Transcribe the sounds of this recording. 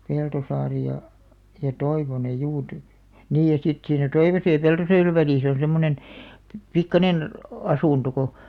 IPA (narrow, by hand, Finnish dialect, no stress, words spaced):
peltosɑːri jɑ jɑ toiʋonej juː ty niːj jɑ sit siːnæ toiʋosej jɑ peltosɑːreʋ ʋæliˑs on̞ semːonen pi pikːɑnen ɑsuˑnto ko